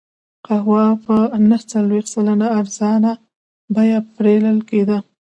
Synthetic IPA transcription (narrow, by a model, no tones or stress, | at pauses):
qahwɑpənəht͡salwext̪salanaːɾzɑna | bajapɾeləlked̪a